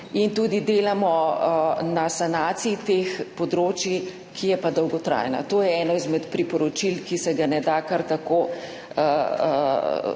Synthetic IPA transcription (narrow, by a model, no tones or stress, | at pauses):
int̪uːd̪id̪eːlamɔ | nasanaːt̪siit̪eːxpɔd̪ɾoːt͡ʃji | kʰijɛpad̪ɔwɡɔt̪ɾa̰ːjna̰t̪oːjɛɛːnɔizmɛt̪pɾipɔɾɔt͡ʃilkisɛɡanɛd̪akaɾt̪akoː